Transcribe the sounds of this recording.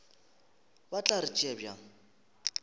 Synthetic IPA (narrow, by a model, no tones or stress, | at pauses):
bat͡ɬʼaɾit͡ʃʼɛbja